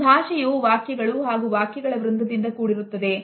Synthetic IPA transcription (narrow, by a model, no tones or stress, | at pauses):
bʱaːʃɛjuːʋaːkjɐɡɐɭuɦaːɡuʋaːkjɐɡɐɭɐʋɾɐnd̪ʱɐd̪ind̪ɐkuːɽiɾut̪ːɐd̪e̞